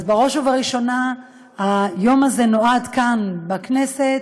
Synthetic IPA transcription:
zbaʁo̞ʃovaʁiʃo̞na | hajomaze̞no̞ad̪kanbakne̞se̞t

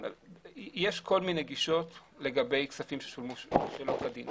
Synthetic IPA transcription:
jeʃkʰo̞lmine̞jɡiʃo̞t̪ | le̞ɡabe̞jksafimʃeʃulmuʃelokadin

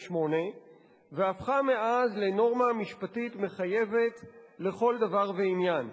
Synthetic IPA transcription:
ʃmo̞ne̞ | veafχameʔazle̞no̞ʁmamiʃpatitme̞χaje̞ve̞tle̞χo̞ld̪avaʁveinjan

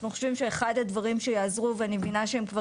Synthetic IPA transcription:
nuχoʃvimʃeːχadhadvaʁimʃejaːzʁuveanevinaʃeemkva

